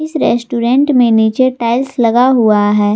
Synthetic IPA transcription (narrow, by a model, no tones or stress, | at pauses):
ɪsɾɛːsʈuːɾɛ̃ɳʈmẽniːt͡ʃeʈaːɪlslɐɡaɦuaɦɛː